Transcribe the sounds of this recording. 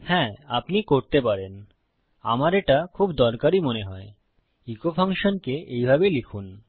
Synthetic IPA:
hɛ̃apnikoɾt̪epaɾen | a̰maɾeʈakʰubd̪ɔɾkaɾimoneɦɔe | ikopʰaŋʃonkeejbʱabelikʰun

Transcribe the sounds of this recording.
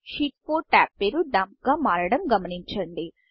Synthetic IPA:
ʃiːʈpoːɾʈaːpːeːɾuɖaːmp̚ɡaːmaːɾɐɽɐmɡɐmɐniɲt͡ʃɐɳɖi

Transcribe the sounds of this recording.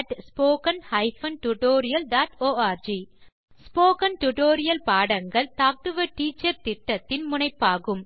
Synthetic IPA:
ʈspoːkɐnhɐɪfɐnʈʊʈoːɾɪjɐlɖaːʈoːaːɾd͡ʒi | spoːkɐnʈʊʈoːɾɪjɐlpaːɽɐŋɡɐɭt̪aːk̚ʈɯʋɐʈiːt͡ʃːɐɾt̪ɪʈːɐt̪ːɪnmʊnɐɪpːaːɣɯm

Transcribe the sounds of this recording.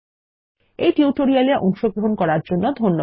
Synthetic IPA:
ejʈiuʈoɾialeɾʔɔŋʃoɡɾoɦonkɔɾaɾd͡ʑonːod̪ʱonːo

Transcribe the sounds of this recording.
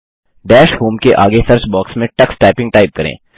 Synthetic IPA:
ɖɛːʃɦuːmkeʔaːɡesɐɾsbɔːksmẽʈɐksʈaːpɪ̃ŋɡʈaːɪp̚kɐɾḛ̃ː

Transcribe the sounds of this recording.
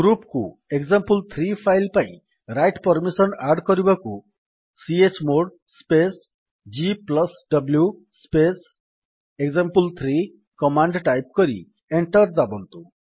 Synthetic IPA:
ɡɾupku | eɡzampult̪ʰɾipʰajlpaĩ | ɾajʈpɔɾmisɔnaɾɖkɔɾibaku | siet͡ʃmoɽ | spes | d͡ʒiplɔsɖɔblju | spes | eɡzampult̪ʰɾi | kɔmaɳɖʈajp̚kɔɾḭ | eɳʈɔɾd̪abɔnt̪u

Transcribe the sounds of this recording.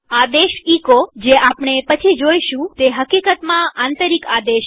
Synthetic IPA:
ad̪eʃikod͡ʒeʔapɳ̃epət͡ʃʰid͡ʒojʃũt̪eɦəkikət̪mãant̪əɾikad̪eʃ

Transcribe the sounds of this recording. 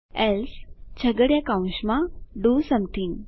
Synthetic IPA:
ɛlst͡ɕʰəɡəɽjakãũɕmãɖusəmt̪ʰĩŋɡ

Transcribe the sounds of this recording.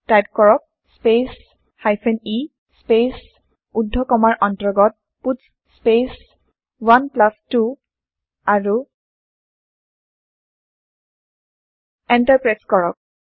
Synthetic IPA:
tajtkɔɹɔk̚ | spes | hajpʰeni | spes | udʱːɔkɔmaɹʔɔntɹɔɡɔt̚ | pus | spes | wanplastu | aɹu | ɛntaɹpɹɛskɔɹɔk̚

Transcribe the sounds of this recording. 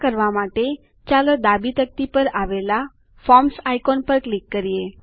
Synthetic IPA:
kəɾʋamaʈe | t͡ʃaləd̪abit̪ək̚t̪ipəɾaʋela | fɔmsajkonpəɾklikːəɾije

